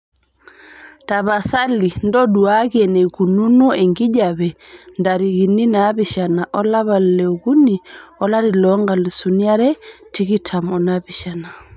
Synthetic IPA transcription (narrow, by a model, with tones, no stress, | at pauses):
ta˨βa˨sa˦li˨ndɔ˦ɗu˨a˦ki˦ɛnɛ˨ku˨nu˦nɔ˦ɛ˨ŋɡi˦ʄa˨βɛ˨nda˨ɾi˨ɣi˨ni˦na˦βi˦ʃa˨na˨ʔɔ˦la˦βa˨llɛ˨ɣu˦ni˨ɔ˦la˦ɾi˨lɔ˦ŋɡa˨li˨suni˦a˦ɾɛ˦ti˦ɣi˦tʰa˨mɔ˨naβi˨ʃa˨na˨